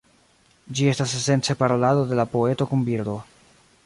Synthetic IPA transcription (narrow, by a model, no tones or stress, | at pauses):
d͡ʒie̞stasese̞nt͡se̞paɾo̞lado̞de̞lapo̞e̞to̞kunbiɾd̪o̞